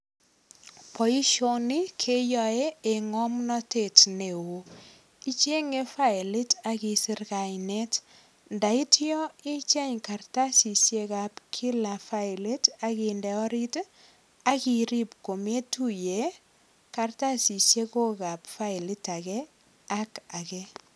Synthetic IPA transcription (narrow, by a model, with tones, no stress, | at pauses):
pɔ˨i˦ʃo˦ni˦kʰe˦jɔ˨e˦e˨ŋɔ˦mnɔ˦te˨tne˨wo˨ | i˦t͡ʃe˦ŋe˦fa˦ɪ˨lɪ˦ta˦ki˨sɪ˦rka˨jne˦t | nda˨i˦tjɔ˦e˦t͡ʃɛ˦ɲka˨rta˦si˨sje˦ka˨pkʰi˦la˨fa˦ɪ˨lɪ˦ta˦ki˨ndɛ˨ɔ˦ɾi˦t | a˦ki˨ɾi˦p̚ko˨me˦tu˦je˨ | ka˨rta˦si˨sje˦ko˦ka˨pfa˦ɪ˨lɪ˦ta˨kɛ | a˦ka˨kɛ˦